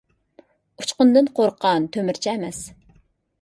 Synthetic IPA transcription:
u̥t͡ʃqʊnd̪ɨnqʰoɾqʰɑnt̪ʰømɪɾt͡ʃʰɛɛmɛs

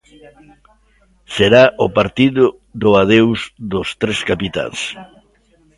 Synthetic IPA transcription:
seɾaʔʊpaɾt̪iðʊ | ðʊaðewzðʊst̪ɾeskapit̪a̰ŋs

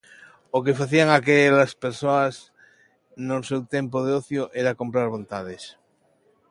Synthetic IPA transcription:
okefaθiaŋakelaspeɾsoas | nosewt̪empoðeoθjoʔeɾakompɾaɾβ̞õ̞nt̪aðes

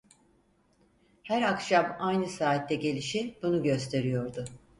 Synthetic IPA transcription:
hæɾakʃamajnɯsaːt̪ːɛɟe̞lʲiʃib̥unuɟø̞st̪ʰe̞ɾijo̞ɾd̪ʊ

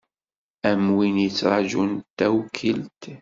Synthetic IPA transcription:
æmwinjət͡sːɾˤɑʒunt̪ːæwkʰəlt̪

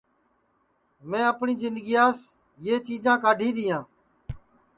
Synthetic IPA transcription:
mẽːəpɳiːzɪnd̪ɡiːaːs | jeːt͡ʃiːd͡ʒãːkaːɖʱiːɗ̪ɪjãː

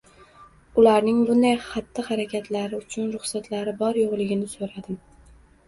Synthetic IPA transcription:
ʊlaɾnɪŋbʊnd̪ajχat̪ʰːɪhaɾakʲʰat̪ʰlaɾɪʊt͡ʃʰʊnɾʊχsat̪laɾɪbɒɾjoʁlˠɪɡʲɪnɪsoɾad̪ɪm

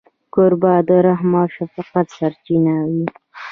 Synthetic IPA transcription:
koɾbad̪əɾaɦmɑʃafaqat̪saɾt͡ʃinawi

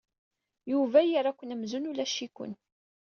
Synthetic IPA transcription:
juvæjəɾˤækʷːənəmzunulæʃikʊ̰n

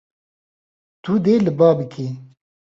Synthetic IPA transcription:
t̪ud̪eːlɨbaːbɨkʰeː

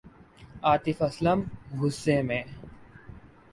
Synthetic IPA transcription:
aːt̪ɪfɐsləmɦʊsːẽːmẽː

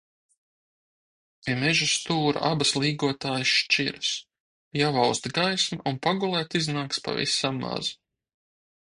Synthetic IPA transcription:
imɛʒust̪uːɾa̰ʔabaslˠiːɡuɔt̪aːjsʃt͡ʃiɾs | javawst̪ɡajsmaʔunpaɡulˠɛːt̪iznaːkspa̰vḭsamːa̰z̥

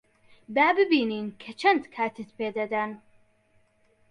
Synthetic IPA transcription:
b̪aːbɨbiːniːnkʰɐt͡ʃʰɐnd̪kʰaːt̪ɨt̪peːd̪ɐd̪ɐn

